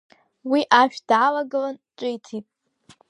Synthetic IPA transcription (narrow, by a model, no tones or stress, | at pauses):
wiʔaʃᶣd̥ʕalaɡɨlanʈ͡ʂʷʼɪjtʰitʼ